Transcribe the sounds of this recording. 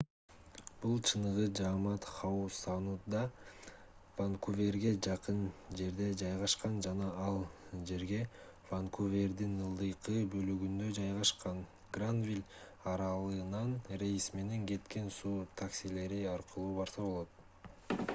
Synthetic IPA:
b̥ulˠt͡ʃʰɯnɯʁɯd͡ʒɑmɑt̪χɑusɑnut̪d̪ɑ | vaŋkuvʲe̞rɡe̞d͡ʒɑqɯnd͡ʒe̞ɾd̪e̞d͡ʒɑjʁɑʃqɑnd͡ʒɑnɑɑlˠd͡ʒe̞ɾɡe̞ | vaŋkʰuvʲe̞rd̪inɯlˠd̪ɯjqɯbø̞lyɡynd̪ø̞d͡ʒɑjʁɑʃqɑn | ɡrand̪vʲilʲɑɾɑlˠɯnɑnrʲe̞jsme̞ne̞ŋɡe̞t̪ke̞nsuːt̪ʰaksʲile̞ɾiɑɾqʰɯlˠuːbɑɾsɑβbo̞lˠot̪̚

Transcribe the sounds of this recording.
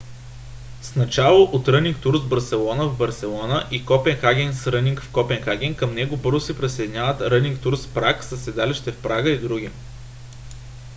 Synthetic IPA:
snɐt͡ʃalˠoʔot̪ɾɤnʲiŋk̚t̪uɾsbɐɾsɛlˠɔnəvbɐɾsɛlˠɔnəʔikɔpɛnxaɡʲɛnsɾɤniŋkfkɔpɛnxaɡʲɛnkəmnɛɡobɤɾzʊsɛpɾisəd̪inʲavət̪ɾɤniŋkt̪uɾspɾaksəsɛd̪aliʃt̪ɛfpɾaɡəid̪ɾuɡʲi

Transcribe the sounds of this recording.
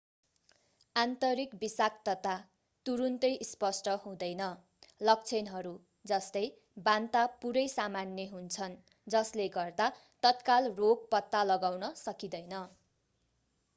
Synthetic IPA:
ant̪ʌɾikbisak̚t̪ʌt̪a | t̪uɾunt̪ʌjispʌsʈʌɦũd̪ʌjnʌ | lʌk̚t͡sʰenɦʌɾu | d͡zʌst̪ʌj | bant̪apuɾʌjsamanːeɦunt͡sʰʌn | d͡zʌsleɡʌrd̪a | t̪ʌt̪kalroɡ̚pʌt̪ːalʌɡawnʌsʌkid̪ʌjnʌ

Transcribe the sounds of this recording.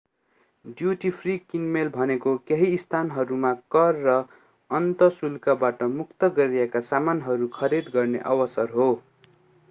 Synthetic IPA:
ɖjuʈipʰrikinmelbʱʌnekokeɦiːst̪ʰanɦʌɾumakʌrːʌ | ʌnt̪ʌsulkabaʈʌmukt̪ʌɡʌɾijekasamanɦʌɾukʰʌɾid̪ɡʌrnḛʔʌ̰wʌsʌrɦo

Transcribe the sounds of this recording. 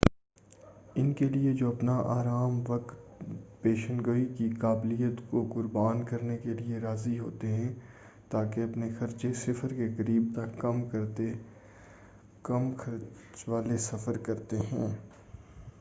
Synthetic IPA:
ɪnkelied͡ʒoːɐpnaʔaːɾaːmʋɐkt̪peːʃənɡəikikaːblijət̪kokʊɾbaːnkɐɾnekelieɾaːziɦo̰ːt̪eɦɛ̃ː | t̪aːkeɐpnexɐɾt͡ʃesɪfəɾkekɐɾiːb̚t̪ɐkːɐmkɐɾt̪e | kɐmkʰɐɾt͡ʃʋaːlesɐfəɾkɐɾt̪eɦɛ̃ː

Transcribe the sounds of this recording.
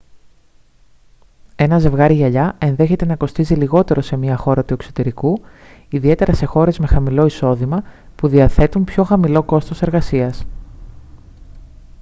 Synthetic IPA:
e̞nɐze̞vɣɐɾiʝɐʎɐe̞nðe̞çe̞t̪e̞nɐko̞st̪iziliɣo̞t̪e̞ɾo̞se̞miɐxo̞ɾɐt̪ue̞kso̞t̪e̞ɾiku | iðie̞t̪e̞ɾɐse̞xo̞ɾe̞zme̞xɐmilo̞iso̞ðimɐpuðiɐθe̞t̪umpço̞xɐmilo̞ko̞st̪ose̞ɾɣɐsiɐs

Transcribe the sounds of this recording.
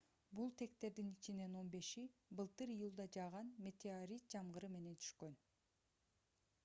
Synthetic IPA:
bulˠt̪ʰe̞k̚t̪e̞ɾd̪init͡ʃine̞no̞nbe̞ʃibɯlˠt̪ɯɾijulˠd̪ɑd͡ʒɑʁɑnmʲe̞t̪ʲeoɾʲit̪̚d͡ʒɑmʁɯɾɯme̞ne̞nt̪ʰy̥ʃkø̞n

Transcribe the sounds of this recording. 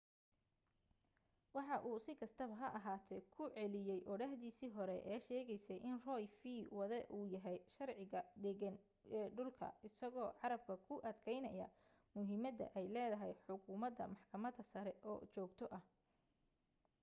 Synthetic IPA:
wɑħɑʔuːsɪkʰɐst̪ʰɐβɐɦɐʔɐɦaːt̪ʰɛjkʰʊʕɛlɪjɛjʔɔɽɐhðiːsiːɦɔɾɛʔɛːʃɛːɣɛjsɛjʔɪnrɔjfiːwɐðɛʔuːjɐɦɛjʃɐrʕɪɣɐd̪ɛɣɐn | ɛːɖʊlkʰɐ̰ɪsɐɣɔːʕɑɾɐb̚kʰɐkʰʊʔɐd̪kʰɛjnɐjɐ̰ | mʊɦɪmɐd̪ɐ̰ʔɛjlɛːðɐɦɛjħʊkʰuːmɐd̪ɐ̰mɑħkʰɐmɐd̪ɐsɐɾɛʔɔːt͡ʃɔːɡt̪ʰɔʔɐh

